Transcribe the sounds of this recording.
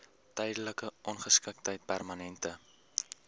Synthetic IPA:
tɛjdələkəʔɔnχəskək̚təjt̚pærmɐnɛntə

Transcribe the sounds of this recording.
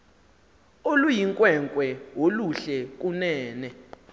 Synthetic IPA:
olujiŋkʼwɛŋkʼwɛwoluɬɛk̬ʼunɛːnɛ

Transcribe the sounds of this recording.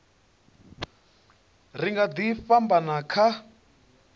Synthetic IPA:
riŋɡad̪ifambanakʰa

